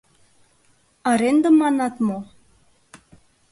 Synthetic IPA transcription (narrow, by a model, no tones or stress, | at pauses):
ɑɾend̪əmɑnɑt̪mo